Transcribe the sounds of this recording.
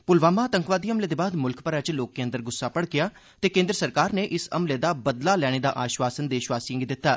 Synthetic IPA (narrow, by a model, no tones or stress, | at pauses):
pʊlʋaːmaːt̪əŋkʋaːd̪iːəmleːd̪eːbaːd̪mʊlkpəɾɛːt͡ʃloːkːeːnd̪əɾɡʊsːaːpəɽɡɪjaː | t̪eːkẽːnd̪ɾəsəɾkaːɾneːʔɪsə̰mleːd̪aːbəd̪laːlɛːɽ̃eːd̪a̰ːʔaːʃʋaːsənd̪eːʃʋaːsiəŋɡd̪ɪt̪ːaː